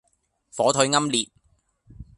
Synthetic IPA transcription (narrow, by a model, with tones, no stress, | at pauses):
fɔː˨˥t̪ʰɵ˨˥ɥŋɐ˥mliː˨t̚